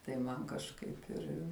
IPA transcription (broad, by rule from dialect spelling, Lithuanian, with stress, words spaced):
tɐɪ ˈmɐn kɐʃˈkɐɪp ɪr